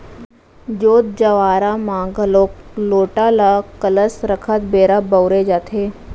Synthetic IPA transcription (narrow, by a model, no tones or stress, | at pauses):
d͡ʒoːt̪̚d͡ʒəʋaːɾamãːɡəloːkloːʈalakələsɾəkʰət̪beːɾabəwɾed͡ʒaːt̪ʰɦeː